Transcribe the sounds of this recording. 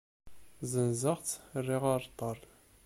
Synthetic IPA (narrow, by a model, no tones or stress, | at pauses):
zənzəʁt͡srːiʁɑɾˤt̪ˤɑrˤ